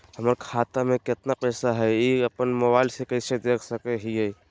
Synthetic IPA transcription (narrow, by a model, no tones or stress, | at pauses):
ɦəməɾkʰaːt̪amẽkɪt̪napɛːsaɦɛeəpənmɔbaːɪlsekəɪsed̪eːkʰsəkeɦiɦɛː